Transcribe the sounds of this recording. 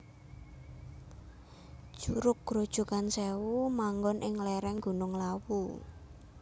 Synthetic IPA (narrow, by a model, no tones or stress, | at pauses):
ʒ̥uɾʊk̚ɡ̥ɾod̥ʒ̥ṳkansɛwumaŋɡɔnʔɪŋlɛɾɛŋɡṳnʊŋlawu